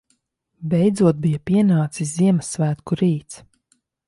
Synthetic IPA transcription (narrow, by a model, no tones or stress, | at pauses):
bɛjd̪zuɔt̪̚bijapiɛnaːt̪sisziɛmasvæːt̪kuɾiːt̪s